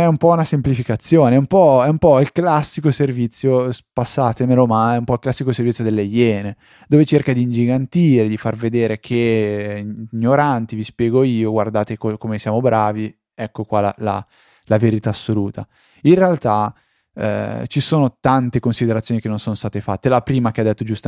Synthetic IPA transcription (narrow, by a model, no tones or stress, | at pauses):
ɛumpɔunasemplifikat̪sːjoːneɛumpɔɛumpɔilklasːikoservit̪sːjospasːaːt̪emelomaɛumpɔilklasːikoservit̪ːjod̪elːejːɛːne | d̪oːvet͡ʃerkad̪iːnd͡ʒiɡant̪iːɾed̪ifarved̪eːɾekʰe | ɲːoɾant̪ivispjɛːɡoiːoɡward̪aːt̪ekokomesjaːmobɾʔaːvi | ɛkːokwala̰la̰ | laveɾit̪aːsːoluːt̪ʰa̰ | inrealt̪a | ɛ̰t͡ʃisoːnot̪ant̪ekonsid̪eɾat̪sːjonikenːõnsoːnost̪aːt̪efa̰t̪ːelapɾiːmakead̪et̪ːod͡ʒust̪a